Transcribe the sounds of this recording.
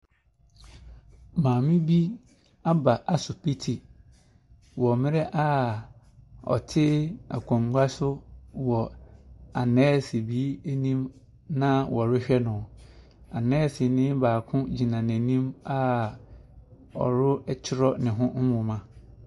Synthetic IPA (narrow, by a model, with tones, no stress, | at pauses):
mãː˨mɪ̃˦bi˦ | a˦ba˨ʔa˨sʊ˨pi˦tʰi˨ | wɔ˨mɪ̃˦ɾɛ˦ʔa˦ | ɔ̰˨tʰɪ˦a̰˨kʷʰɔ̃˨ŋɡa˦sʊ˦wɔ˨ | a˨nɛː˦˨si˨bi˨˦æ˦nĩ˦m | nã˦wʔɔ˨ɾʊ˦ɕᶣɛ˦nʊ̃˨ | a˨nɛ̃ː˦˨sɪ˨nɪ̃˦baː˨kʰʊ̃˦d͡ʑi˨nã˨n˨æ̃˨nĩ˦ma˦ | ɔ̰˨ɾʊ˦ɛ˦t͡ɕʰɪ˦ɾɔ˦nɪ̃˨ɦʊ̃˦n̩˦wʊ̃˨mã˦